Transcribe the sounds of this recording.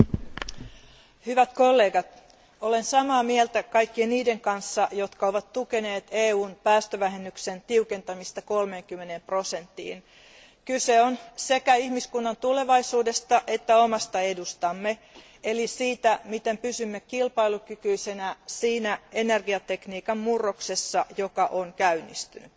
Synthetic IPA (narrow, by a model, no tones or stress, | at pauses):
hyʋæt̪ko̞lːe̞ːɡɑt̪ | ole̞nsɑmɑːmielt̪ækɑjkːieniːde̞ŋkɑnsːɑjo̞t̪kɑo̞ʋɑt̪t̪ːuke̞ne̞ːt̪eːuːnpæːst̪øʋæɦenːykse̞nt̪iuke̞nt̪ɑmist̪ɑko̞lmeːŋkymːene̞mpro̞se̞nt̪ːḭːn | kyse̞onsekæihmiskunːɑnt̪ule̞ʋɑisuːdest̪ɑʔet̪ːæomɑst̪ɑedust̪ɑmːe | elisiːt̪æmit̪empysymːekilpɑilukykyisenæsiːnæenerɡiɑt̪ekniːkɑmmurːoksesːɑjokɑʔoŋkæynːḭst̪yny